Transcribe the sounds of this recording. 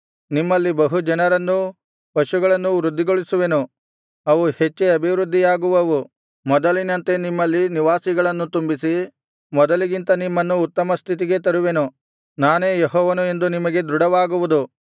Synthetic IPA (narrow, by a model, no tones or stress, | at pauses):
nimːɐlːibɐɦud͡ʒɐnɐɾɐnːu | pɐʃuɡɐɭɐnːuʋɾud̪ʱːiɡo̞ɭisuʋe̞nu | ɐʋuhe̞t͡ʃːeɐbʱiʋɾud̪ʱːijaːɡuʋɐʋu | mɔd̪ɐlinɐnt̪e̞nimːɐlːiniʋaːsiɡɐɭɐnːut̪umbisi | mɔd̪ɐliɡint̪ɐnimːɐnːuːt̪ːɐmɐst̪ʰit̪̬iɡe̞t̪̬ɐɾuʋe̞nu | naːne̞ːjeɦɔːʋɐnue̞nd̪unimɐɡe̞d̪ɾuɽɐʋaːɡuʋud̪u